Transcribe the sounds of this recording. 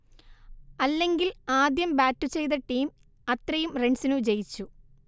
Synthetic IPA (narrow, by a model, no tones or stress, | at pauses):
ɐlːe̞ŋɡilaːd̪jɐmbaːtːut͡ɕe̞jt̪ɐʈːiːm | ɐt̪rɐjumreɳɖsinud͡ʑe̞jit͡ɕːu